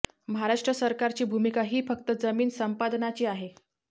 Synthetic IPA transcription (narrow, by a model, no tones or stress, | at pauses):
məɦaɾaʂʈɾəsəɾkaɾt͡ɕiːbʱumikaɦiːfək̚t̪əd͡zəmiːnsəmpad̪nat͡ɕiːaɦe